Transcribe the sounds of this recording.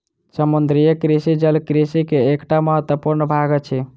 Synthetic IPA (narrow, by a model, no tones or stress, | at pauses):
səmund̪ɾijəkɾisid͡ʒəlkɾisikeːkʈaməɦət̪wəpuɾnəbʱaɡət͡ʃʰɛ